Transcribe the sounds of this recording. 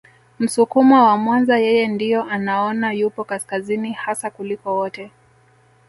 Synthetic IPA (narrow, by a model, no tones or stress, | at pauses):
m̩sukumɔwamwanzajɛjɛndijɔʔanaɔnajupɔkaskazinihasakulikɔwɔtɛ